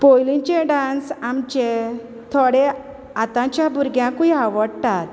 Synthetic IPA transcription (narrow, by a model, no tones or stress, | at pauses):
pojlĩt͡ɕeɖansamt͡ɕe | t̪ʰɔɽe | at̪ãt͡ɕjabuɾɡjãkuiɦaʋəɽt̪at̪